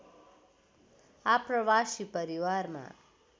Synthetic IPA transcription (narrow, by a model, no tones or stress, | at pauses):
aprʌbasipʌɾiwarma̰